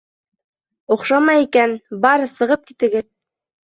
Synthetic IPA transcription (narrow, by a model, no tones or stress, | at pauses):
uqʃɑmɑjikænbɑɾɤsɤ̆ʁɤp̚kit̪ɘ̆ɡɘð